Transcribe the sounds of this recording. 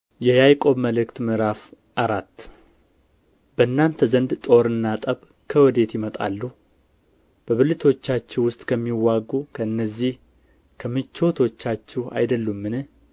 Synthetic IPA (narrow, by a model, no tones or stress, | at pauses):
jɛjajkʼo̞βməlɨkt̪mɨɾaf | ʔaɾat̪ː | b̥əɨnːant̪ʰəzənd̪t̪ʼo̞ɾɨnːat̪ʼəβ | kʰəwɔd̪e̞t̪jɪmət̪ʼa̰lːuh | b̥əβɨlɨt̪ʰo̞t͡ʃːat͡ʃːɛwʊst̪ʼkʰəmːiwːaɡukʰəɨnːəzːih | kʰəmɨt͡ʃːot̪ʰo̞t͡ʃːat͡ʃːɛwa̰jd̪əlːumːɨnɨ